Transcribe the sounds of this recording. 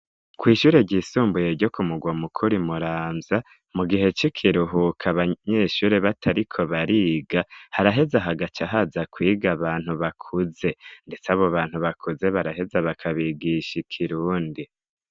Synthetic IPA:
kwiːʃuːɾe̞ɟiːsuːmbuje̞ɾɟo̞kumuɡwamukʰuɾimuɾaːmza | muɡiɦe̞t͡ʃikʰiɾuɦukʰaβaɲe̞ːʃuːɾe̞βatʰaɾikʰo̞βaɾiːɡahaɾaɦe̞zaɦaɡat͡ʃaɦazakwiːɡaβaːn̥huβakʰuze̞nde̞t͡saβoβaːn̥huβakʰuze̞βaɾaɦe̞zaβakʰaβiɡiʃikʰiɾuːndi

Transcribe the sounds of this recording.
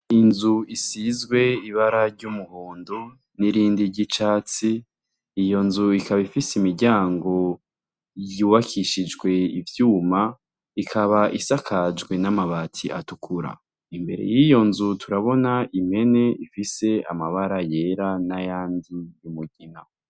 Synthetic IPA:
inzuisizɡwe̞iβaɾaɾɟumuhoːndo | niɾiːndiɾɟit͡ʃaːt͡siː | jo̞nzuikaβaifiseimiɾɟaːŋɡo̞ | juːβakʰiʃid͡ʒɡwe̞ivjuːma | ikʰaβaʔisakʰad͡ʒɡwe̞namaβaːtʰiʔa̰tukʰuɾa̰ | imbe̞ɾḛjijo̞nzutʰuɾaβo̞naʔime̞ne̞ifise̞a̰maβaɾaje̞ɾanajaːndijumuɟina

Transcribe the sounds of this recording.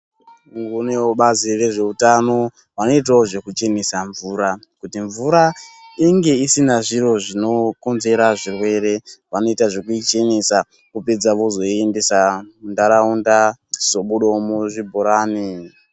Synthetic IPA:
ŋɡuneoɓazire̞ʐe̞utano̞ | ʋano̞it̬aoʐe̞kut͡ʃenisaɱvuːɾa | kutiɱvuɾaiŋɡe̞isinaʐiɾo̞ʐino̞ko̞nze̞ɾaʐirwe̞ɾe̞ʋano̞itaʐekuit͡ʃenisa | kuped͡zaʋo̞zo̞endesandaɾaundaz̥o̞ɓuɗomuʐibʱoɾaːni

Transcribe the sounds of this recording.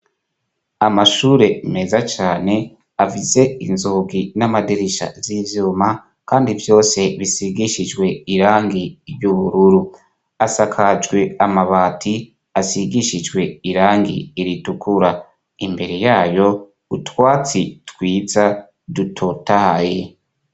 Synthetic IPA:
amaʃuːɾe̞me̞zat͡ʃaːne̞ | avize̞inzoɡinamadiɾiʃa̰zivjuːma | kaːndivjo̞ːse̞βisiɡiʃid͡ʒɡwe̞iɾaːŋɡiːɾjuβuɾuɾu | asakʰad͡ʒɡwe̞amaβaːtʰi | asiɡiʃid͡ʒɡwe̞iɾaːŋɡḭːɾitukʰuɾa | imbe̞ɾejaːjo̞ | utwaːt͡sitwiːza | dutʰotahaje

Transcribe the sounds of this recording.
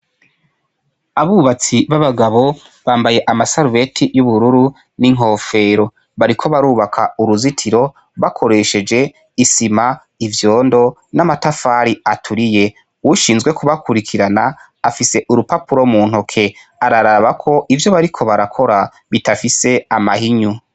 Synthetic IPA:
aβuːβat͡siβaβaɡaβo̞ | βaːmbaje̞ʔamasaɾuβe̞tʰijuβuɾuɾu | niŋ̥ɦo̞ːfe̞ːɾo̞ | βaɾikʰo̞βaɾuːβakʰauɾuzitʰiɾo̞ | βakʰo̞ɾe̞ʃe̞d͡ʒe̞ | isima | ivjo̞ːndo̞namatafaːɾiatʰuɾije̞ | wuʃiːnzɡwe̞kuβakʰuɾikʰiɾanaː | fise̞ʔuɾupapuɾomuːn̥hokʰe̞ | aɾaɾaβakʰo̞ʔivjo̞βaɾikʰo̞βaɾakʰo̞ɾa | βitafise̞amahiɲu

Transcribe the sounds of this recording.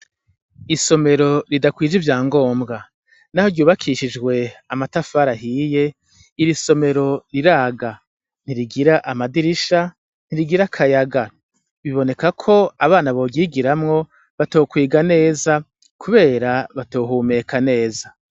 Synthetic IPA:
iso̞me̞ɾo̞ɾidakwiːd͡ʒivjaːŋɡo̞ːmɡa | nahoɾɟuːβakʰiʃid͡ʒɡwe̞amatafaːɾaɦiːje̞ | iɾiso̞me̞ɾo̞ɾiɾaːɡa | n̥iɾiɡiɾaʔamadiɾiʃa | n̥iɾiɡiɾakʰajaɡa | βiβo̞ne̞kakʰo̞aβaːnaβo̞ɡiːɡiɾamŋo̞ | βato̞ːkwiːɡane̞ːza | kʰuβe̞ːɾaβato̞ːɦume̞kʰane̞ːza

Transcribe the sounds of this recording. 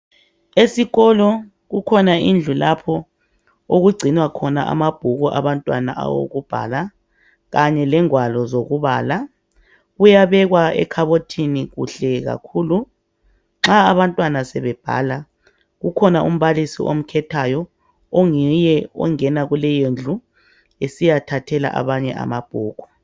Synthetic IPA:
esiɣɔlɔ | ɣukʰɔnaind͡ɮʱulapʰɔ | oɣuɡ͡ǀʱinwakʰɔna̰ʔa̰mab̥ʱuɣɔʔa̰βantʼwana̰ʔa̰wo̰ɣub̥ʱa̰ːla | ɣaɲɛlɛŋwalɔzoɣuβa̰ːla | ɣujaβɛɣwaɛ̰kʰaβotʰiniɣṵɬɛɣa̰kʰuːlu | ŋ͡ǁaːβantʼwanasɛβɛb̥ʱa̰ːla | ɣukʰɔnaʔṵm̩βalisḭʔo̰m̩kʰɛtʰajɔ | oŋijɛɔ̰ŋɛnaɣulɛjend͡ɮʱu | esijatʰatʰɛla̰ʔa̰βaɲɛ̰ʔa̰mab̥ʱuːɣɔ

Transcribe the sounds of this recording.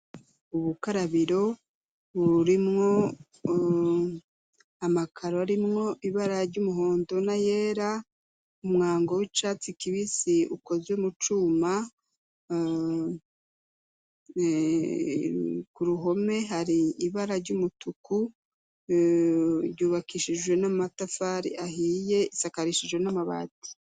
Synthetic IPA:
uβukaɾaβiɾo̞ | βuɾimŋo̞ | amakʰaɾoaɾimŋo̞ʔiβaɾaɾɟumuɦo̞ːndo̞naje̞ːɾa | umŋaːŋɡo̞wit͡ʃat͡sikiβisiuko̞zemut͡ʃuːma | kuɾuɦo̞me̞ɦaɾiːβaɾaɾɟumutuku | ɾɟuːβakiʃiʒɡwe̞namatafaːɾḭʔahiːje̞isakaɾiʃiʒwe̞namaβa̰ːti̥

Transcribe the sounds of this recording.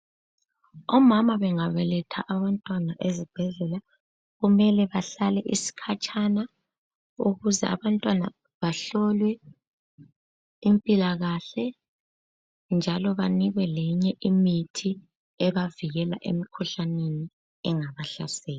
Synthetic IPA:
ɔmamaβɛŋaβɛlɛtʰa̰ʔaβantʼwanaʔezib̥ʱɛɮɛla | ɣumɛlɛβaɬalɛʔisi̥kʰat͡ʃʼana | uɣuzɛ̰ʔa̰βantʼwana̰ | βaɬɔlwɛ | impʼilaɣaɬɛ | nd͡ʒʱalɔβaniɣwɛlɛɲɛʔimitʰi | ɛβaviɣɛla̰ʔḛmikʰuɬaneni | ɛŋaβaɬasɛːl

